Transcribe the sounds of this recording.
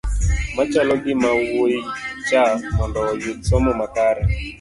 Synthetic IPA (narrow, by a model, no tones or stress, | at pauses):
mat͡ʃalɔɡɪmawoit͡ʃamɔndɔːjʊsɔmɔmakaɾɛ